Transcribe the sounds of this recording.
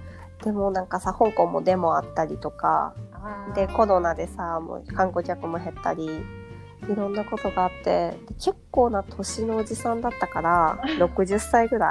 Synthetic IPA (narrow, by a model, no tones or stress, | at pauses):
d̪̥e̞mo̞nãŋkasahõ̞ŋkõ̞mːo̞̰d̪e̞mo̞at̪ːaɾʲit̪o̞ka̰d̪̥e̞ko̞ɾo̞nad̪e̞samo̰kãŋko̞kʲakɯ̟mo̞ɦe̞t̪ːa̰ɾʲi | iɾõ̞nːako̞t̪o̞ɡaːt̪ːe̞d̪̥e̞kʰe̞kːo̞ːnat̪ʰo̞ɕino̞ːd͡ʑisãnd̪at̪ːakaɾaɾo̞kɯ̟ʑɨsːaiɡɯ̟ɾa